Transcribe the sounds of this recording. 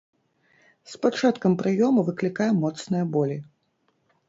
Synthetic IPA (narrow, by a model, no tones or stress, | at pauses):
spat͡ʂat̪kɐmpɾʔɨjɔmɐvɨklʲikajɐmɔt̪snɨjɐbɔlʲi